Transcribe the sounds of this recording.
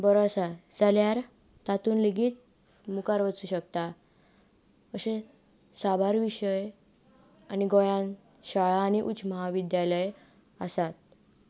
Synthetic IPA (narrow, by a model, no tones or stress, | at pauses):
bəɾoasad͡zaljaɾ | t̪at̪uːnliɡiːt̪̚ | mukaɾʋət͡suːɕəkt̪a | əɕẽ | sabʱaɾʋiɕəj | aniɡojãn | ɕaɭaːñiʔut͡ɕməɦaʋid̪jaləj | əsat̪̚